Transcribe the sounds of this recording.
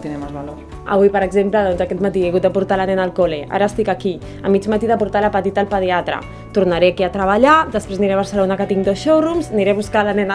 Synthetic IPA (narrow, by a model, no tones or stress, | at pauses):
t̪inemazβalo | ə̰βuipəɾəɡzempləðɔnzakɛt̪mat̪iaɣut̪̚d̪əpuɾt̪alanɛnəlˠkoleʔa̰ɾəːst̪ikaki | əmid͡ʒmat̪iðəpuɾt̪aləpət̪it̪alˠpəð̞iat̪ɾə̰ | t̪uɾnaɾeakiat̪ɾəβaʎad̪əspɾezniɾeβ̞əɾsəlonakət̪iŋd̪osʃowrumzniɾeβuskalanɛn